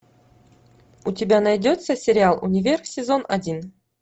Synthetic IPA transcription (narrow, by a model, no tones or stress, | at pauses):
utʲɪbʲanajdʲot̪səsʲeɾʲɪalˠunʲɪvʲerxsʲezonadʲin